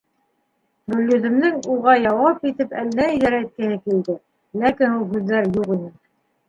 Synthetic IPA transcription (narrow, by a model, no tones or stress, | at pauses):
bɵ̆ljɵ̆ðɘ̆mnɘŋuʁɑjɑwɑpit̪ɘpælːæiðæɾæt̪̚kɘ̆hɘkild̪ɘ | lækinulˠhʉðːæɾjuʁinɘ